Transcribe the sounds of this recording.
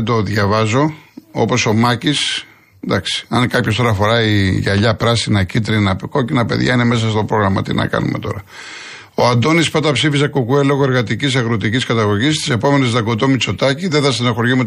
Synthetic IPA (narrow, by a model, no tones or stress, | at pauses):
d̪o̞ðʝɐvɐzo̞o̞̰po̞so̞mɐcis | d̪ɐksi̥ɐnkɐpço̞st̪o̞ɾɐfo̞ɾɐiʝɐʎɐpɾɐsinɐcit̪ɾinɐpko̞cinɐpe̞̰ðʝɐ̰inemes̬ɐst̪o̞pɾo̞ɣɾɐmɐ̰t̪ḭnɐ̰kɐ̰nṵmet̪o̞̰ɾɐ | oɐnd̪o̞nispot̪ɐpsifis̬ɐkokuelo̞ɣoe̞ɾɣɐt̪icis̬ɐɣɾot̪iciskɐt̪ɐɣo̞ʝist̪i̥se̞po̞me̞nezðɐɡo̞t̪omit͡so̞t̪ɐciðeθɐsinɐxoɾʝime